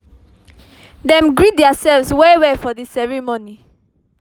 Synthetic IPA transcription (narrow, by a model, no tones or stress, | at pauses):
dɛ̃mɡɹidɛsɛlvswewefɔdisɛɹimoni